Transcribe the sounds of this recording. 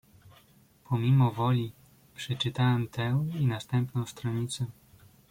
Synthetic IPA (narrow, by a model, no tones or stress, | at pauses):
pʰɔmʲimɔvɔlʲi | pʂɛt͡ʂɘt̪awɛmt̪ʰɛw̃inast̪ɛmpnɔ̃w̃st̪ɾɔɲit̪sɛ